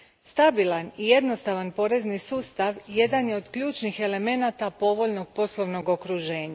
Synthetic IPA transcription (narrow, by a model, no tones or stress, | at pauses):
st̪abilˠanije̞d̪no̞st̪aʋanpo̞ɾe̞znisuːst̪aʋje̞d̪anjeo̞d̪̥kʎuːt͡ʃnixe̞le̞me̞nat̪apo̞ʋo̞ʎno̞ɡ̥̚po̞slˠo̞ʋno̞ɡo̞kɾuʒe̞ːɲa